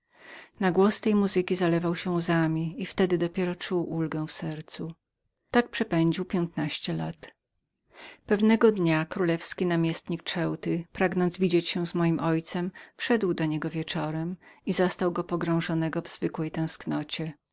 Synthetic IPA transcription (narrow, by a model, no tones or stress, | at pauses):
naɡwɔst̪ɛjmuzɘkʲizalɛvawɕɛ̃uzamʲiift̪ɛd̪ɘd̪ɔpʲjɛɾɔt͡ʂuwʔulɡɛ̃w̃fsɛɾt̪su | t̪ak̚pʂɛpɛɲd͡ʑiwpʲjɛnt̪naɕt͡ɕɛla̰t̪ | pɛvnɛɡɔd̪ɲakɾulɛfskʲinamʲjɛst̪ɲik̚t͡ʂɛwt̪ɘɪpɾaɡnɔnd̪zvʲid͡ʑet͡ɕɕɛ̃zmɔjimʔɔjt̪sɛmfʂɛd̪wd̪ɔɲɛɡɔvʲjɛt͡ʂɔɾɛmizɔst̪awɡɔpɔɡɾɔ̃w̃ʐɔnɛɡɔvz̥vɘkwɛjt̪ɛ̃w̃sknɔt͡ɕɛ